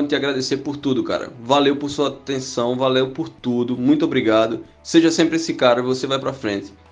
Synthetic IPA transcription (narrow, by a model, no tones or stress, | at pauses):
ɪt̪ʲaɡɾad̪eseɾpoɾt̪ud̪ʊka̰ɾɐ̰valewpoɾsuɐat̪ẽsɐ̃w̃valewpoɾt̪ud̪ʊmũj̃t̪ʊobɾiɡad̪ʊ | seʒɐsẽmpɾɪesɪkaɾivosevajpɾafɾẽnt̪ɪ̥